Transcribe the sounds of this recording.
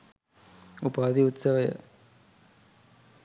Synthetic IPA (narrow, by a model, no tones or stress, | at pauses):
upaːd̪iut̪səʋəjə̰